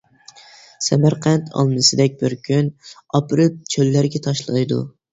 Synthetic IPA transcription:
sæmɑɾqʰɑnt̪ʰɒ̰lˠmɨsɪd̪ɛk̚ʲbɪɾkʲʰyn | ɑpʰɨɾɪp̚t͡ʃʰɵlːæɾɡʲɛt̪ʰɒʃlˠɑjd̪ʊ̰

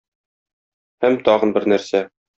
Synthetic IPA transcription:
hæmt̪ɒʁɤ̆nbɘɾnæɾsæ

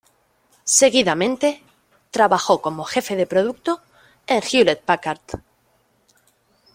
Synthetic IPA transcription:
se̞ɣ̞iðamẽ̞nt̪e̞ | t̪ɾaβaxo̞komo̞xe̞fe̞ðe̞pɾo̞ð̞uk̚t̪o | eŋxjulet̪̚pakaɾt̪

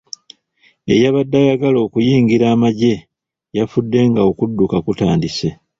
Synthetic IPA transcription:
e̞̰jaβadːajaɡalo̞ːkujiːŋɡiɾaːmaɟe̞ | jafudːe̞ŋɡaokudːukakutaːndise

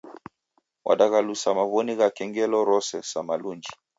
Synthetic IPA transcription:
wʔa̰ɗaɣalusamaβɔniɣakɛŋɡɛlɔɾɔsɛsamalund͡ʒi

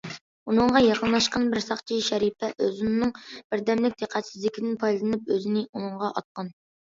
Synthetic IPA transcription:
unɨɴʁɑjɑqənlˠɑʃqɑnbɪɾsɑχt͡ʃʰiʃɛɾipʰɛʔøzunːɨŋb̥ɪɾd̪ɛmlɪk̚ʲd̪̥eqʰæt̪sɪzlɪkʲɪd̪ɪnpʰɑjlˠɨnɨpøzɪnɪunɨɴʁɑʔɑt̪̚qɑn

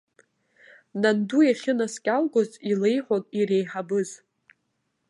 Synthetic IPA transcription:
nandujaχʲɪnaskʲʼalɡʷozilejħʷonʼiɾejħabɨz

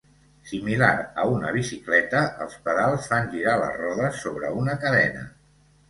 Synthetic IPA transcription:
similaɾəunə̰β̞isiklɛt̪əəlˠspəðalˠsfanʲʒiɾalə̰zrɔðəsːoβɾə̰unəkəðɛnə̰

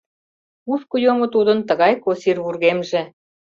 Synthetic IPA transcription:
uskujomŏt̪ud̪ɤ̆nt̪ə̆ɣɑjkosirβurɣemʒĕ

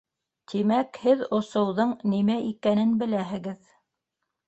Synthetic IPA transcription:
t̪ʰimækhɘðŏsɤ̆wðɤɴnimæʔikænɘnbɘ̆læɦɘ̆ɡɘð

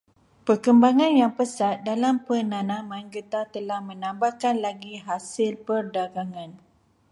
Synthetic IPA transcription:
pərkəmbaŋãnjaŋpəsat̪̚dalampənãnãmãnɡət̪at̪əlahmə̃nãmbahkanlaɡiɦasɪlpərdaɡaŋãn

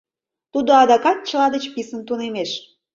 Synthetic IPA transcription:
t̪ud̪oɑd̪ɑkɑt̪̚t͡ɕəlɑd̪ət͡ɕpisənt̪unemeʃ

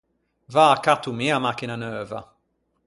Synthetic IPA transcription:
vaːkat̪ːumiamakinanœːva̰

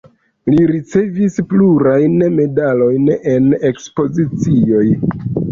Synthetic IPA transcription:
liɾit͡se̞vispluɾajnme̞dalo̞jne̞ne̞kspo̞zit͡sio̞j

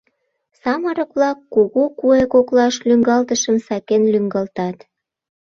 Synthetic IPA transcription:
sɑməɾə̆kβlɑkːuɣukuekoklɑʃlyŋɡɑlt̪əʃəmsɑkenlyŋɡɑlt̪ɑt̪

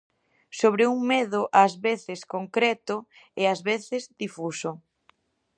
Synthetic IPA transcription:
soβ̞ɾɪuŋmɛðʊʔazβeθɪskoŋkɾɛt̪ʊ | ɪazβeθɪzdifusʊ

